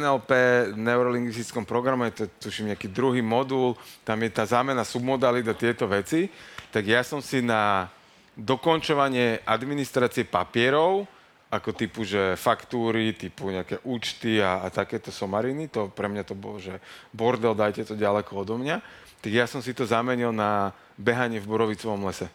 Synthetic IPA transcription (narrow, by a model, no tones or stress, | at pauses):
nɛlpɛːnɛʊɾɔliŋɡʋist̪i̥t͡skɔmpɾɔɡɾamɛjɛt̪ɔt̪uʃimɲɛakiːd̪ɾuɦiːmɔd̪ult̪amjɛt̪aːzaːmɛnasubmɔd̪alid̪at̪ɪɛt̪ɔʋɛt͡sit̪aɡjasɔmsina | d̪ɔkɔnt͡ʃɔʋaɲɪɛʔad̪minist̪ɾaːt͡siɛpapɪɛɾɔʊ | ʔakɔt̪ipuʒɛfakt̪uːɾit̪ipuɲɛakɛːʔuːt͡ʃt̪iaːt̪akɛːt̪ɔsɔmaɾinit̪ɔpɾɛmɲat̪ɔbɔ̰lɔʒɛbɔɾd̪ɛld̪ajcɛt̪ɔɟalɛkɔɔd̪ɔmɲa | t̪aɡjasɔmsit̪ɔzamɛɲilna | bɛɦaɲɪɛvbɔɾɔʋit͡sɔʋɔmlɛsɛ